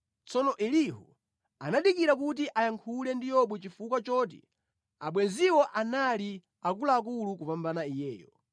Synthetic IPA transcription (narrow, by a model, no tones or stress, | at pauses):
t͡sɔnɔʔɛliɦṵ | anaɗikiɾak̬ut̬iʔajaŋkʰulɛndijɔɓwɛt͡ʃifukwat͡ʃɔːt̬ḭ | aɓwɛnziwɔʔanali | ak̬ulaːk̬ulukupambanaijɛːjɔ